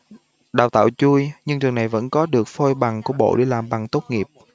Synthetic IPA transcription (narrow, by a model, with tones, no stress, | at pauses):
ɗaː˨˩wt̪a̰ː˧˨wt͡ɕu˧əjɲɨ˧ŋt͡ɕɨ˨˩ŋna˨˩jvə̰˧˥nkɔ˨˦ɗɨ˨˩ək̚fo˧jɓa˨˩ŋku˧˩əɓo̰˧˨ɗe˧˩laː˨˩mɓa˨˩ŋt̪o˦˥t̚ŋi˨˩əp̚